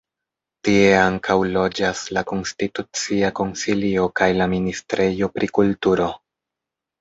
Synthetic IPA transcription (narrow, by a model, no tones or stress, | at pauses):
tie̞aŋkʰawlo̞d͡ʒaslako̞nstitut͡siako̞nsilio̞kajlaministɾʔe̞jo̞pɾʔikultuɾo̞